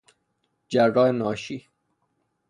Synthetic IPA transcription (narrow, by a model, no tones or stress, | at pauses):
d͡ʒærːɒːenɒːʃiː